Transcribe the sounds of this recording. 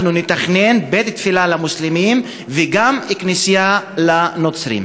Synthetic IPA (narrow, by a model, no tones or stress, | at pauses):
nunet̪aχne̞nbet̪t̪filalamuslimim | veɡamiknisijalanot͡sɾḭm